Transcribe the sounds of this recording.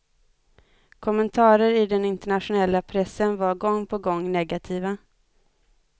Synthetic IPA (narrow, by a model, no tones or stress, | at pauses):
kʰɔmːənt̪ʰɑːɾəɾɪd̪ɛnɪnt̪əɳatɧʊnɛlːapʰɾɛsːənvaɾɡɔŋːpʰɔɡɔŋːnɛɡat̪ʰiːva